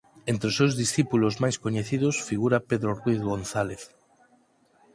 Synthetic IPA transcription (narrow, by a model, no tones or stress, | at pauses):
ent̪ɾeosewzðisθipulozmajskoɲeθið̞osfiɣuɾapeðɾorwijθɣonθaleθ